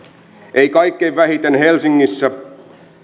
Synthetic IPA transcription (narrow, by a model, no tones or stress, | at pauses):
ʔeikɑikːejʋʋæhit̪enhelsiŋːisːæ